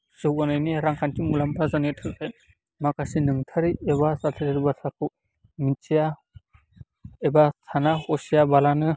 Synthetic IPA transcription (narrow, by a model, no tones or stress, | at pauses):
sɯwɡanɯjniɾaŋkʰantimulampʰɾazanetʰɯkaj | makasinɯŋtʰaɾieβasatʰatiɾibasʰakʰu | mitija | ebatʰanahɔsijabalanɯ